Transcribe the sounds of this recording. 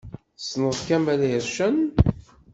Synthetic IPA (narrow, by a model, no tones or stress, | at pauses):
snəðˤkæmæləɾʃən